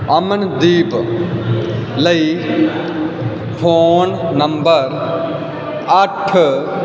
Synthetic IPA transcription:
ɐmənd̪iːb | lɐi | pʰoːnnɐmbəɾ | ɐʈʰ

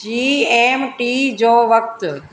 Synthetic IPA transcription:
iːeːmʈiːd͡ʑoːʋɐk̚t̪

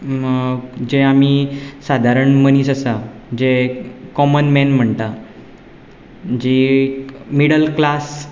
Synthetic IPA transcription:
d͡ʑeamiːsad̪ʱaɾəɳmənisəsad͡ʑekɔmənmɛnm̤əɳt̪a | d͡ʑi | miɽəlklas

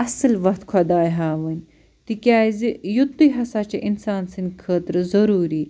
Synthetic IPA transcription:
ɐsɨlʋɐkt̪kʰɐd̪aːjɦaːʋənʲ | t̪ikʲaːzijut̪ːuɦɐsaːt͡ʃiʔinsaːnsɨnʲkʰəːt̪ɾzɐɾuːɾiː

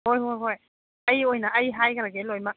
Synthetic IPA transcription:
hojɦojɦoj | əjojnaʔəjɦajkaɾaɡelojmak̚

